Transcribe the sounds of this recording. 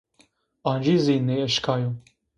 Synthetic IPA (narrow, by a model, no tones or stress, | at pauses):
aːnd͡ʒiziːneəʃkʰaːju